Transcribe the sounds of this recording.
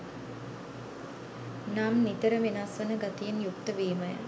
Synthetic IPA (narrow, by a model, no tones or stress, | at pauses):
namnit̪əɾəʋinasʋɐnəɡat̪ijenjukt̪əʋiːməjə̰